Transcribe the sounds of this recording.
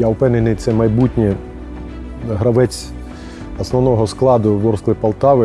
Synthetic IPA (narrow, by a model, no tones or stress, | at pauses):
jawpɛnenɪjt̪sɛmɐjbutʲnʲɛ | ɦɾɐʋɛt͡sʲ | ɐsnɔʋnɔɦɔsklˠɑd̪ʊʋɔrslˠɪpɐlˠt̪ɑʋɪ